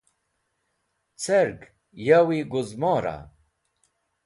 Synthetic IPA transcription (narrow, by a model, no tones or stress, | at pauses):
t͡sʰeɾɡ | jawiɡuzmɔːɾa̰